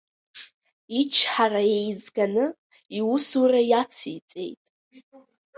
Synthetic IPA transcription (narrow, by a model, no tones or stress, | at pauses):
it͡ʃʰħaraje̞jzɡanɨ | iwʊsurajat͡sʰḭt͡sʼe̞̰jtʼ